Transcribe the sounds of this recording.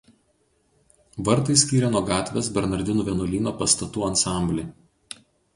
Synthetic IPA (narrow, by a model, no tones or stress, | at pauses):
ʋɐɾt̪ɐɪsʲkʲiːɾʲɛnuɔɡɑːt̪ʲʋʲesbʲɛɾnɐɾʲd̪ʲɪnuːʋʲɛnʊlʲiːnoːpɐst̪ɐt̪uːɐnsɑˑmʲbʲlʲe